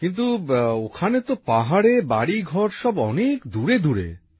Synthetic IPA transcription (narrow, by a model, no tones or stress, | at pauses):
kint̪̬uokʰanet̪opaɦaɽebaɽiɡʱɔɾʃɔbɔnekd̪uɾed̪uɾḛ